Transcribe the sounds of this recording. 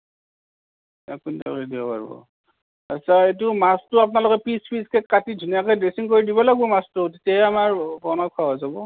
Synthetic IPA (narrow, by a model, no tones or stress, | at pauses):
a̰kunda̰lidibɔpa̰ɹbɔ̰ | asʰaet̬umastʊap̬nalʊkɛpispisket̚katidʱunijakɔjdesiŋkoɹidibɔlaɡbɔmastʊtitjaɛamaɹbɔnɔkʰːaɦɔzabɔ